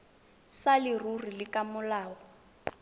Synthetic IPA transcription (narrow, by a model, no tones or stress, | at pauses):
salɪrurilɪkamʊlaːwɔ